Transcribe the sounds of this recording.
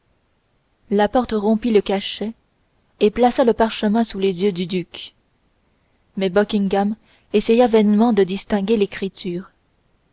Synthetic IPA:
lapɔʁt̪ʁɔ̃piləkaʃɛ | eplasaləpaʁʃəmɛ̃sulezjød̪yd̪yk | mɛbɔkʲĩŋɡam | esɛjavɛnmɑ̃d̪əd̪ist̪ɛ̃ɡʲelekχit̪ʰyːʁ

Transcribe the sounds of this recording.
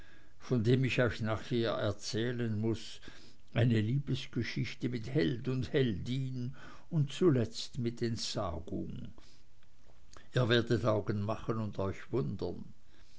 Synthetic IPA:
fɔndeːmɪçɔʏçnaːχheːɐɛɐt͡sɛːlənmʊs | ʔaɪnəliːb̥əsɡ̥əʃɪçtəmɪthɛldʊndhɛldiːn | ʊntt͡sulɛt͡stmɪtʰɛntsa̰ːɡ̥ʊ̰ŋ | iːɐveːɐdətaʊɡənmaχənʊndɔʏçvʊndə̰n

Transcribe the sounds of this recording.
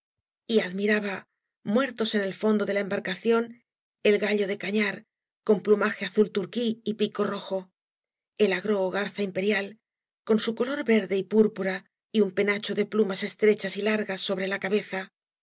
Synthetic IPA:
iaðmiɾaβa | mwe̞ɾt̪o̞se̞ne̞lfo̞nd̪o̞ðe̞laembaɾkaθjo̞n | e̞lɣaʎo̞ðe̞kaɲaɾ | ko̞mplumaxe̞aθult̪uɾkiːpiko̞ro̞xo̞ | e̞laɣɾo̞ːɣaɾθaimpe̞ɾjal | ko̞nsuko̞lo̞ɾbe̞ɾðe̞ipuɾpuɾa | iumpe̞nat͡ʃo̞ðe̞plumase̞st̪ɾe̞t͡ʃasilaɾɣasːo̞βɾe̞lakaβe̞θa

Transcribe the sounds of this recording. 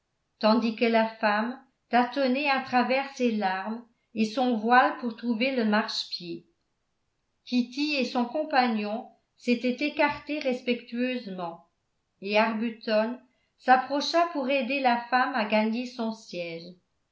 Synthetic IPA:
t̪ɑ̃d̪ikəlafam | t̪at̪ɔnɛat̪χavɛʁselaʁm | esɔ̃vwalpuʁt̪χuveləmaʁʃpje | kʲit̪iesɔ̃kɔ̃paɲjɔ̃ | set̪ɛt̪ekaʁt̪eʁɛspɛkt̪yøzmɑ̃ | eaʁbyt̪ɔn | sapχɔʃapuʁed̪elafamaɡaɲesɔ̃sjɛːʒ

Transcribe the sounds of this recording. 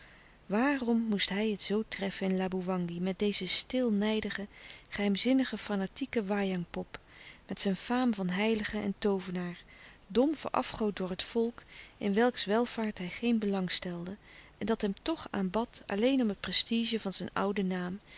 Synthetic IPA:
ʋaːrɔmːustɦɛjɦətsowtrɛfənɪnlaːbuʋɑŋɡimɛt̚dejzəstɪlˠnɛjdəχəχəɦɛjmzɪnəχəfanatikəʋaːjɑŋpɔpmɛtsɛnfaːmvɑnɦɛjləχəɛ̰ntowvənaːɹ | dɔmvə̰ɹʔɑ̰fχowt̚dʊːɹɦətfɔlˠkʔɪnʋɛlˠksʋɛlˠv̥aːɹtɦɛjχejnbəlɑŋstɛlˠdəʔɛndɑtɦɛmtɔχa̰ːmbɑtɑ̰lejnɔmɦət̚prɛstiʒəvɑnzɛjnʌ̰wdənaːm

